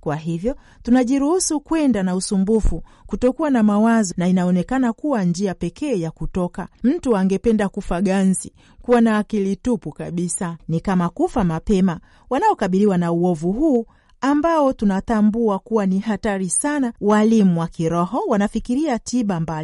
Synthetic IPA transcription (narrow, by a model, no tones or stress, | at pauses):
kwaɦivjɔ | tunaʄiɾuhusukwɛndanausumbufu | kutɔkuwanamawazɔnainaɔnɛkanakuwand͡ʒiapɛkɛːjakutɔkam̩tuaŋɡɛpɛndakufaɠanzi | kuwanaːkilitupukaɓisanikamakufamapɛma | wanaɔkaɓiɾiwanauɔvuɦuː | ambaɔtunatambuakuwanihataɾisanawalimuwakiɾɔɦɔwanafikiɾiatiɓambali